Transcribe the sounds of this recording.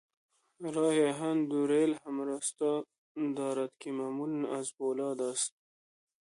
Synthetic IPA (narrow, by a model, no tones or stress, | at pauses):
ɾɑːjaɦand̪uɾelhamɾast̪ɑ | d̪ɑːɾat̪kimamulnazbolɑːd̪ast̪̚